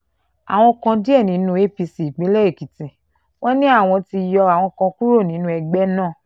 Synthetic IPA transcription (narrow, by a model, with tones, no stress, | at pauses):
a̰˨w̃ɔ̃˧kã˧di˦ɛ˦˨nĩ˨˦nũ˦e˦pi˧si˨i˨k͡pĩ˨˦lɛ˦e˦˨ki˨tĩ˨ | wɔ̃˦nĩ˦a˦˨w̃ɔ̃˧ti˧jɔ˧a˨w̃ɔ̃˧kã˧ku˦ɾo˦˨nĩ˨˦nũ˧˦ɛ˧ɡ͡bɛ˦nãː˦˨